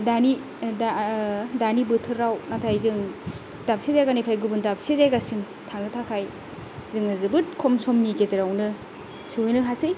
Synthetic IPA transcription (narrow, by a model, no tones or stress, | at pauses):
dani | dadanibɯtʰɯɾːawnatʰajzɯŋ | dap̚sezajɡanipʰajɡɯbɯndap̚sezajɡasin | tʰaŋnɯtʰakʰaj | zɯŋɯzɯbɯt̚kʰɔmsɔmnikezeɾawnɯ | suwjnɯɦasɯj